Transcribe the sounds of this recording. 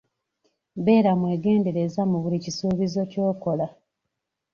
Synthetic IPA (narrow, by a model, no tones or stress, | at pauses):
βe̞ːɾamwe̞ːɡe̞ːnde̞ɾe̞zamuβulicisuːβizo̞co̞ːko̞la